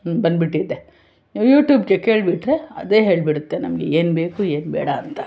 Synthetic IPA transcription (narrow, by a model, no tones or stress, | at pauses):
bɐnd̪biʈːid̪ːe | juːʈjuːbkekeːɭbiʈɾeɐ̰d̪e̞ːɦeːɭbiɽut̪ːenɐmɡḛeːnbe̞ːkueːnbɛ̰ːɽɐːnt̪ɐ̥